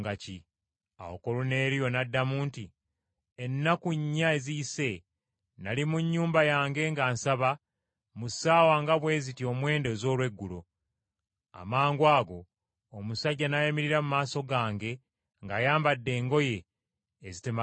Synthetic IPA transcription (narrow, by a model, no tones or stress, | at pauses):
ɡaci | a̰wo̰ko̞lune̞ːɾijo̞nadːamuːnti | enːakuɲːae̞ziise̞ | nalimuɲːuːmbajaːŋɡe̞ŋɡaːnsaβa | musaːwaŋɡaβwe̞ːzitio̞mwe̞ːnde̞zo̞ːlwe̞ɡːulo̞ | a̰maːŋɡwaːɡo̞ː | musaɟːanajamiɾiɾamumaːso̞ɡaːŋɡe̞ | ŋɡaːjaːmbadːe̞ːŋɡo̞je̞ː | zitema